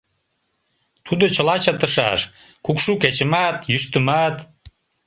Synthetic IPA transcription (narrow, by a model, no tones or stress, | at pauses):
t̪ʰud̪ot͡ɕə̆lɑt͡ɕɑt̪ə̆ʃɑ̰ʃkukʃuket͡ɕə̆mɑt̪jyʃt̪əmɑt̪